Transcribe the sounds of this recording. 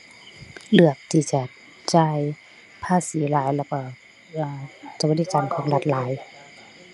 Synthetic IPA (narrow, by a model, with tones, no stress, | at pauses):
lɯ˧˩ək̚t̪ʰiː˧˩t͡ɕa˧˩ | t͡ɕaː˧˩j | pʰaː˧˥˨siː˨˦laː˨˦jlɛ˧˩wkɔː˧˩ | ʔaː˧˩t͡ɕa˧˩ba˧diː˧˩t͡ɕa˨˧˦nkʰɔː˨˦ŋla˧t̪̚laː˨˦j